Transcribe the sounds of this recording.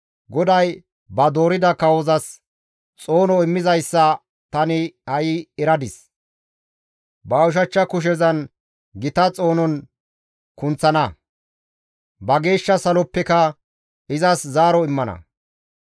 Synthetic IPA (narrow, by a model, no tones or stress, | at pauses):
ɡɔd̪ɐj | bɐd̪o̞ːɾɪd̪ɐkɐwɔzɐs | t͡sʼo̞ːnɔɪmːɪzɐjsːɐ | t̪ɐnɪhɐjɪɛɾɐd̪ɪs | bɐʊʃ̬ɐt͡ʃːɐkʊʃ̬ɛzɐn | ɡɪt̪ɐt͡sʼo̞ːnɔn | kʊnt͡sːɐnɐ | bɐɡe̞ːʃːɐsɐlɔpːɛkɐ | ɪzɐszaːɾɔɪmːɐnɐ̰